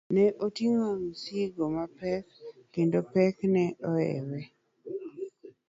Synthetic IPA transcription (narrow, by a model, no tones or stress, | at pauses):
nɛʔotiŋoŋsiɡomapɛkːendopɛknɛʔɔɛ̰wɛ